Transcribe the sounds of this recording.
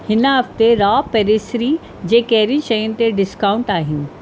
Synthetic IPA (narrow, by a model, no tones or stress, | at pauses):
hɪnəɦɐft̪eɾaːpɛɾeːsɾi | d͡ʑeːkɛɦɪɾĩʃɐjʊnɪ̆t̪eɖɪskawʊ̃ɳʈaːɦɪnɪ̆